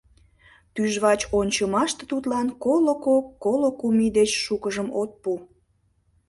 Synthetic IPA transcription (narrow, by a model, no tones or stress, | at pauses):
t̪yʒβɑt͡ɕonʲt͡ɕəmɑʃt̪e̥t̪ut̪lɑnkolokokːolokumid̪et͡ɕʃukəʒəmot̪̚pu